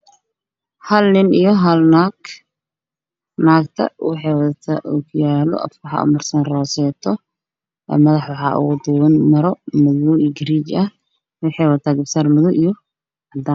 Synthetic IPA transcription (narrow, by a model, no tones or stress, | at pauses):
hɐlnɪnijɔɦɐlnaɡ | naːkt̪ʰɐ̰wɪħɛwɐðɐt̪ʰaʔukʰʊjaːlɔ̰ʔɐ̰fwʊħɑ̰ʔʊ̰mɐrsɐnrɔːsɛːt̪ʰɔ | ʔɛ̰mɐðɐħwɑħɑːʔʊ̰d̪ʊnmɐɾɔmʊðʊɡɪɾiːt͡ʃɐ | wʊħɛwɐt̪ʰaːɡɐbsaːrmɪðʊʔijɔ | ɑd̪aːn